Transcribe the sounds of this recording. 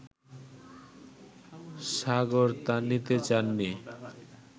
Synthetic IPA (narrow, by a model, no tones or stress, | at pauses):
saɡoɾt̪anit̪et͡ɕanːi